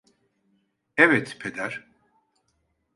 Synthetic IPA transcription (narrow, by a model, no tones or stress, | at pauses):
ɛvɛt̪pʰed̪æɾ̥